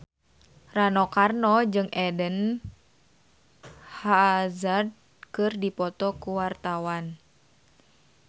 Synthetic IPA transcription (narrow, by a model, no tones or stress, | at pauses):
ranɔkarnɔd͡ʒɨŋʔɛdən | hazard̚ | kɨrdipɔt̪ɔkuwart̪awan